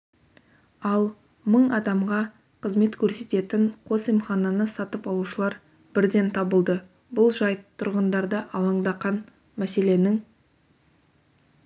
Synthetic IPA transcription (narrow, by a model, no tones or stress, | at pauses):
ɑlˠ | məɴɑd̪ɑmʁɑ | qʰəzme̞t̪kʲʰɵɾse̞t̪e̞t̪ɪɴqʰo̞simχɑnɑnəsɑt̪əpɑlˠuʃəlˠɑɾ | b̥ɪɾd̪e̞nt̪ʰɑbəlˠd̪ə | bʊlˠʒɑjt̪ʰʊɾʁənd̪ɑɾd̪əʔɑlˠɑɴd̪ɑqɑn | mæse̞le̞nɪŋ